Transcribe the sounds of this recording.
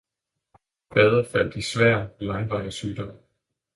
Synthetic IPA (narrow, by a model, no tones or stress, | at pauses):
b̥ɛð̞ˠɐfæl̰d̥isʋæɐ̰lɑ̈ŋʋɑ̈ɪəsyːd̥ɒm̰